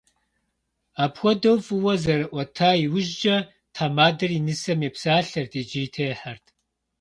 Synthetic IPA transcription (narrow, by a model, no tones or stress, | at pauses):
aːpxʷɔdɐwfʼɨwɐzɐɾɨʔʷɔtʰaːiwʊʒd͡ʒɐ | tʰaːmaːdɐrinɨsɐmeːpsaːɬɐrtʰeːd͡ʒijtʰeːħartʰ